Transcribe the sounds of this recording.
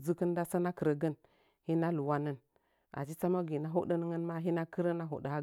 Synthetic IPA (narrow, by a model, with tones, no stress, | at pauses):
zə˦kə˦nda˦sa˦na˦kə˨ɾə˨ɡə˦n | hi˦na˦lu˨wa˦nə˦n | a̰˨d͡ʒi˦t͡sa˦ma˦ɡi˨na˦ɦo˦də˦n˦ŋə˦nma˦ɦi˦na˦kə˦ɾə˦na˦ɦo̰˨də˨a˦